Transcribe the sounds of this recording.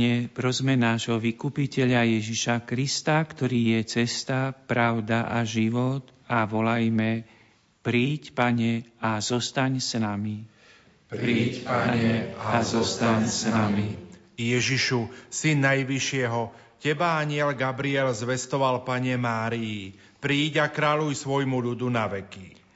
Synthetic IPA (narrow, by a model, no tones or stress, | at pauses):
ɛpɾɔzmɛnaːʒɦɔʋikupicɛʎajɛʒiʃakɾist̪akt̪ɔɾiːjɛt͡sɛst̪apɾaʊd̪aʔaʒiʋɔt̪aʋɔlajmɛ | pɾiːcpaɲɛazɔst̪aɲsnami | pɾiaɲɛazɔst̪aaɲsnami | jɛʒiʃusinːajʋiʃɪɛɦɔ | cɛbaaɲɪɛlɡabɾiɛlzʋɛst̪ɔʋalpaɲɛmaːɾiji | pɾiːɟakɾaːʎujsʋɔjmuʎud̪unaʋɛki